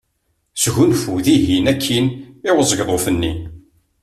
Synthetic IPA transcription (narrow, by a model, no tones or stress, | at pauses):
sʝunfuðiʝinækʰːinɪwəzˤəɡðˤofənːḭ